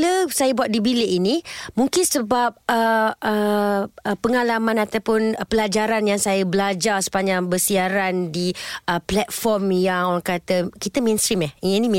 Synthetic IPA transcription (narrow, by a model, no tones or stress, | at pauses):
ləsajəbuat̪̚dibileʔinĩmuŋkɪnsəbap̚əə | əpəŋalamãnat̪awpʊnpəlad͡ʒaɾanjaŋsajəbəlad͡ʒarsə̥paɲd͡ʒaŋbərsiaɾandiəplɛt̪̚fɔrmjaŋoɾaŋkat̪əkit̪əmɛnst̪ɾimahinĩm